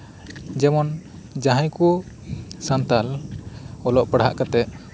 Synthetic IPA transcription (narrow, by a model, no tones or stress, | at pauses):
d͡ʒɛmɔn | d͡ʒãɦãjku | sant̪al | ɔlɔʔpəɽɦa̰ʔkat̪ɛʔ